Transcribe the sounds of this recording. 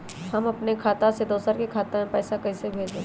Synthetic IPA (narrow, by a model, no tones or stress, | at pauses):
hɐmɐpnekʰaːt̪ased̪oːsəɾkikʰaːt̪amẽpɛːsakɐisebʱeːd͡ʒd̪ẽː